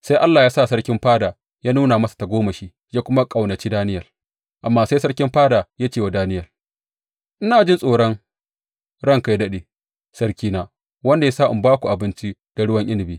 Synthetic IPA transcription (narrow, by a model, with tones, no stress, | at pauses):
sa˦ʔa˦lːaː˨jaː˦sa˦˨sɐ˦rkʲɪ˦mɸaː˦daː˨ | jaː˦nuː˦na˨mɐ˦sḁ˨ta˨ɡʷoː˦mɐ˨ʃiː˦ | jaː˦kʷʊ˦ma˦kʼa˨wnɐ˨t͡ʃi˦daː˦nɪ˦jɐ˨l | ʔa˨mːaː˦sa˦sɐ˦ɽkʲɪ˦mɸaː˦daː˨ja˦t͡ʃeː˨wa˨daː˦nɪ˦jɐ˨l | ʔɪ˦naː˨d͡ʒɪ˦nsʼoː˨ɽɔ˦ŋ | ɽɐ˦ŋka˨jdɐ˦ɗeː˨ | sɐ˦ɽkʲiː˦naː˦ | wɐ˦nda˨ja˦saː˦ʔɪ˨baː˦kʷu˨ʔa˨bɪ˦nt͡ʃi˦ | d̥a˨ɽʊ˦wɐ˨ŋʔɪ˦nɪ˨biː˦